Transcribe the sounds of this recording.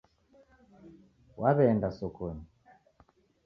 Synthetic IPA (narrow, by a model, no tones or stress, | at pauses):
wʔaβɛndasɔkɔni